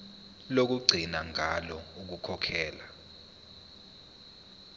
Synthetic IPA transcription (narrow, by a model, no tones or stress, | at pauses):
lok̬uɡ͡ǀʱinaŋʱalɔuk̬ukʰɔkʰɛːla